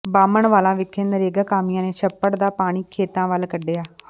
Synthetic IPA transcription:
baːməɳʋaːlãːʋɪkʰẽːnəɾeːɡaːkaːmɪjãːneːʃəpːəɽd̪aːpaːɽ̃iːkʰeːt̪ãːʋəlkəɖeːaː

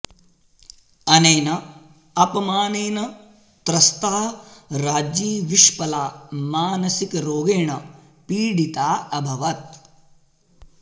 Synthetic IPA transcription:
ɐneːnɐ | ɐpɐmaːneːnɐ | t̪ɾɐst̪aːɾaːd͡ʒiːʋiʃpɐlaːmaːnɐsikɾoːɡeːɳɐ | piːɽit̪aːɐbʱɐʋɐt̪̚

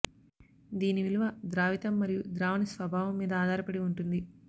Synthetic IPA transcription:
d̪iːniʋiluʋɐd̪ɾaːʋit̪ɐmːɐɾijud̪ɾaːʋɐnisʋɐbʱaːʋɐmːiːd̪ɐaːd̪ʱaːɾɐpɐɽiuɳʈund̪i

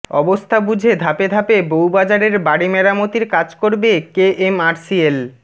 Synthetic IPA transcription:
ɔbost̪ʰabud͡ʑʱed̪ʱaped̪ʱapebowbad͡ʑaɾeɾbaɽimeɾamot̪iɾkad͡ʑkoɾbekeʔemaɾsiel

